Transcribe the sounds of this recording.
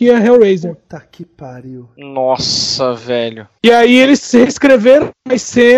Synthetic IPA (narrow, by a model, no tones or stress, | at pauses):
iɐɦewɾejzet̪akɪpaɾiwnɔsɐvɛʎʊ | ɪaielɪsheskɾeveɾɐ̃mɐɪsẽ